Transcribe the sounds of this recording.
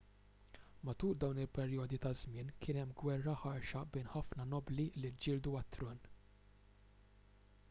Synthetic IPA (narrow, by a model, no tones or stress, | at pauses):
mɐt̪uːɾd̪ɐwnɪlpɛɾjɔːd̪it̪ɐzmɪːnkʰɪːnɛmːɡwɛrːɐħɐɾʃɐbɛːnħɐfnɐnɔblilid͡ʒɪːld̪uɐt̪ːɾɔːn